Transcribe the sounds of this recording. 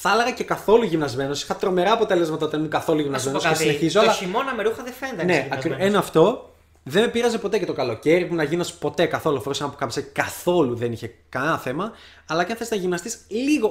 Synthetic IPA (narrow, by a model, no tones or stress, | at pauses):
θɐlɐɣɐce̞kɐθo̞luʝimnɐzme̞nosi̥xɐt̪ɾo̞me̞ɾɐːpo̞t̪e̞le̞zmɐt̪ɐt̪iɐnmukɐθo̞luʝimnɐzme̞nosesineçizoɐlɐimonɐmeɾuxɐðefend̪ɐneɐenɐft̪o̞ | ðeme̞piɾɐze̞po̞t̪e̞cet̪o̞kɐlo̞ce̞ɾipunɐʝimnɐspo̞t̪e̞kɐθo̞lufoɾusenɐpokɐpi̥sekɐθo̞luðe̞niçekɐnɐθe̞mɐː | lɐceɐθest̪nɐʝimnɐst̪isliɣo̞